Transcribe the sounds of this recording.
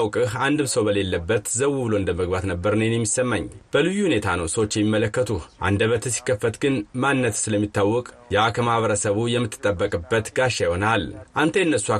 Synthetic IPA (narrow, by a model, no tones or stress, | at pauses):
wkʼɨhand̪ɨmsəwbəle̞lːəbːət̪zəwːubɨloɨnd̪əməɡbat̪nəbːəɾnenjɛmːisəmːaɲːb̥əlɨjːuhune̞t̪ʰanəwsəwot͡ʃːjɛmːimːələkːət̪ʰuhʔa̰nd̪əβət̪ʰəsi̥kːəfːət̪ɡɨnmanːət̪sɨləmːit̪ːawːɔkʼ | jakʰəmahβəɾəsəβujɛmːɨt̪ʰːɨ̥t̪ʼːəbːəkʼɨbːət̪ɡaʃːajihonalʔant̪ʰəjɨnːəsːua